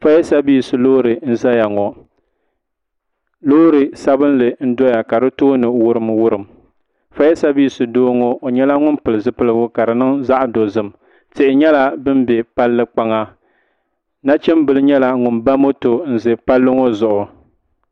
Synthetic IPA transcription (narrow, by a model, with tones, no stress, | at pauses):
fa˦jɛ˦sa˦bi˦˨sɨ˨loː˦ɾɨ˨n̩˦za˦ja˨ŋɔ˨ | loː˦ɾɨ˨sa˦bɨ˦n˦lɨ˨n̩˦dɔ˦ja˨ka˨ɾɨ˦toː˦nɨ˨wʊ˦ɾɨ˨mwʊ˦ɾɨ˨m | fa˦jɛ˦sa˦biː˦sɨ˨doː˦ŋo˦o˨ɲɛ˦la˦ŋʊ˦npɨ˨lɨ˨zɨ˦pɨ˦lɨ˦ɡʊ˦ka˨ɾɨ˨nɨ˦ŋza˦ʔdo˨zɨ˦m | tɪ˨ʔɪ˨ɲɛ˦la˦bɨ˦mbɛ˨pa˦lːɨ˦k͡pa˦ŋa˦ | na˦t͡ʃɛ˦mbɨ˨lɨ˦ɲɛ˦la˦ŋʊ˨nba˦mo˦to˨n̩˨zɨ˨pa˦lːɨ˦ŋo˦zʊ˨ʔʊ˨